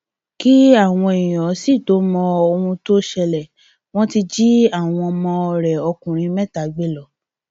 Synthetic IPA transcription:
ki˦a˦˨w̃ɔ̃˧e˨ĩ˨ɔ˨˦si˦˨to˨˦mɔ̃˧o˧hũ˧to˦ʃɛ˧lɛ˨ | w̃ɔ̃˦ti˧d͡ʒi˦a˦˨w̃ɔ̃˧mɔ̃˧ɔ˧ɾɛ˨ɔ˧kũ˨ɾ̃ĩ˧mɛ˦˨ta˨ɡ͡be˦lɔ˦˨

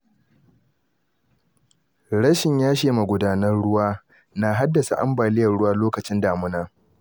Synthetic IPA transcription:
ɽɐ˦ʃɪ˨ɲjaː˦ʃeː˨ma˨ɡʷʊ˨daː˦nɐ˦rɽʊ˦waː˦ | na˨ɦa˦dːɐ˨sa̰˨ʔa̰˦mbaː˨lɪ˦jɐ˨rɽʊ˦waː˦loː˦kɐ˨t͡ʃɪ˦ndaː˨mʊ˦naː˦

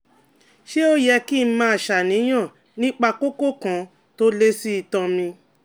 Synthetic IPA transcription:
ʃe˦o˦jɛ˧ki˦˨n̩˦mãː˧a˨ʃa˨nĩ˨˦j̃ã˦˨ | nĩ˦k͡pa˧ko˦ko˦kã˨˧ | to˦le˦si˦i˧tɔ̃˧mĩ˧

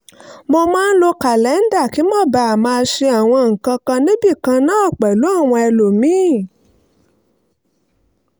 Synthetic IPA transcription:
mo˧mãː˦n̩˦lo˧ka˨lɛ˨˦n̩˦da˦˨ki˨˦mɔ˦˨ba˧˨a˨mãː˧ʃe˧a˨w̃ɔ̃˧ŋ̩˨kã˧kã˧nĩ˦bi˦˨kã˧nãː˦ɔ˦˨k͡pɛ˨lu˨˦a˦˨w̃ɔ̃˧ɛ˧lo˨mĩː˨˦

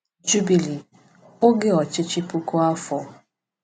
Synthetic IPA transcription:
d͡ʒu˦bi˨li˨ | o˦ɡɪ˦ɔ˨t͡ʃɪ˦t͡ʃɪ˦pu˦ko˦a˦fɔ˨

